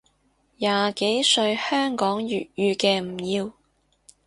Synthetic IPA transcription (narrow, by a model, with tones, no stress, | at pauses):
jaː˨ke˨˥jsɵ˧ɥhœː˥ŋkɔː˨˥ŋjyː˨t̚jyː˧kɛː˧m̩˨˩jiː˧w